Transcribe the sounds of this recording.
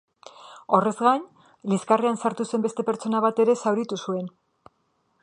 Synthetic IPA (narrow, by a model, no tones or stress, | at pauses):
o̞re̞zɣaɲ | liskareansaɾt̪use̞mbe̞st̪e̞pe̞ɾt͡ʃo̞naβ̞at̪e̞ɾe̞sawɾit̪usue̞n